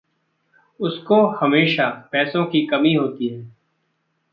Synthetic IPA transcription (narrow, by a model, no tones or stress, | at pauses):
ʊskohɐmeːʃapɛːsõkikɐmiɦoːt̪iɦɛ̃ː